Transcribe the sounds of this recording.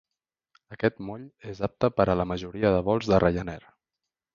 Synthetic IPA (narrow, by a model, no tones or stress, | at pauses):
əkɛt̪moʎezap̚t̪əpəɾələməʒuɾiəðəβɔlˠzðərʔejənɛɾ